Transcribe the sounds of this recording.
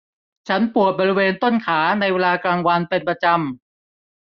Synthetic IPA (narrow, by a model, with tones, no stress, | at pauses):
t͡ɕʰa˦˥npu˨˩ət̪̚bɔː˧ɾi˦˥weː˧nt̪o˥˩nkʰaː˩˦na˧jweː˧laː˧klaː˧ŋwa˧npe˧npɾa˧t͡ɕa˧m